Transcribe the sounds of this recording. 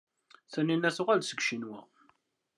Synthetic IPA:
θənːinːæθʊʁælsəɡʃinwæ̰

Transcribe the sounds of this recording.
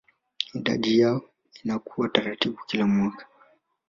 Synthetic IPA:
hiɗa̰ɗijaɔ | inakʰuwataɾatiɓukilamwakḁ

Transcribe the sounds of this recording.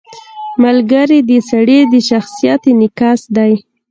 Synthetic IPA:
malɡaɾid̪əsaɽed̪əʃaxsijɑt̪enɪkɑsd̪aj

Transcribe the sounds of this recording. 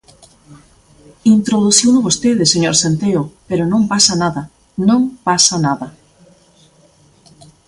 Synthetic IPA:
int̪ɾoðuθiwnʊβost̪eðeseɲoɾsent̪eʊpeɾʊnõmpasɐnaðɐ | nõŋpasɐnaðɐ

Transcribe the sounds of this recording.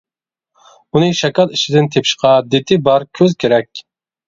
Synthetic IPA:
unɨʃɛkʲɑlˠiʃɪd̪ɪnt̪ʰepʰʃqʰɑd̪et̪ʰɪbɑɾkʲʰøzkʲeɾɛkʲ

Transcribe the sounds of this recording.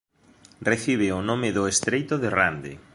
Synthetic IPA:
reθiβɪʊnomɪðʊest̪ɾejt̪oðerand̪ḛ

